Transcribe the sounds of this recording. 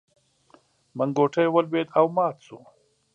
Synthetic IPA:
məŋɡoːʈʰajwɐlbeːd̪awmɑːt̪su

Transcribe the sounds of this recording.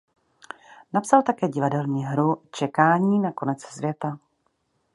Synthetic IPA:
napsalt̪akɛːɟɪvadɛlɲiːɦɾut͡ʃɛkaːɲiːnako̞nɛt͡ssvjɛt̪a

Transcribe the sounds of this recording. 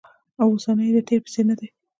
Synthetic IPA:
awosanəjd̪əʈ̪eɾpɪ̥senad̪e

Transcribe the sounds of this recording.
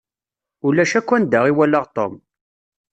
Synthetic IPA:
ʊlæʃækʷːænd̪aʁiwælːəʁt̪o̰m

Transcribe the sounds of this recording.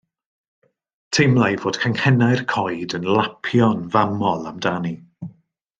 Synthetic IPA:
tʰejmlˠajvoːd̥kʰaŋhɛnajrkʰɔjdənlˠapʰjɔnvamɔlˠamdani

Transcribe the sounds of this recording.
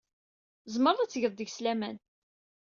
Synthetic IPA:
zməɾˤðæt͡sːʝəðˤd̪əɡslæmæn

